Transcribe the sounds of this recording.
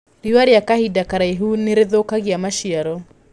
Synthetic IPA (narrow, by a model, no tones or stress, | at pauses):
ɾiwaɾeakahidakaɾaiɦuneɾeðokaɣiamaʃiaɾɔ